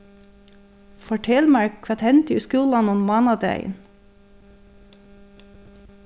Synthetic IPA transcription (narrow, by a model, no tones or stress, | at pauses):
fɔʈʰɛlmæɹkʰʋɑt̪ʰhɛnt̪ʉːskʉːlɑnɔnmɑːnɑd̪æ̰ɪə̰n